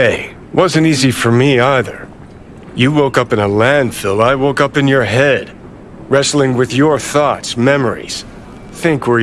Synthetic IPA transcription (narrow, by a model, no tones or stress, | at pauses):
eɪ | wʔʌzɨ̃ntizifə˞miaɪðə̰˞ | jɨwoʊkʌpɨ̃nəlæ̃nd̥fɪlˠaɪwoʊkʌpɨ̃njə˞ɦɛd̥̚ | ɹɛsl̩ˠɪ̃ŋwɨðjə˞θɔtsmɛmə˞ḭz̥ | θɪ̃ŋkwə˞